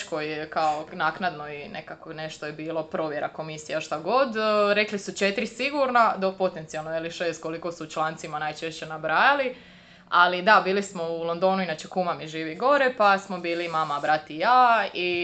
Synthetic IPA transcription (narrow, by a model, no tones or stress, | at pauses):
kojekaonaːknad̪no̞inekakone̞ʃt̪ojebiːlˠo̞pɾo̞ːʋje̞ɾako̞misiaʃt̪aɡo̞d̪ɾe̞klisut͡ʃe̞t̪ɾisiɡuɾnad̪opo̞t̪e̞nt̪sijalnojeliʃeːst̪̚ko̞liko̞suut͡ʃlˠaːnt̪simanajt͡ʃeʃt͡ɕe̞nabɾaːjali | alid̪abiːlismo̞ulˠo̞nd̪o̞ːnuinat͡ɕe̞kumamiʒiːʋiɡo̞ɾe̞pasmo̞biːlimamabɾat̪ijaːi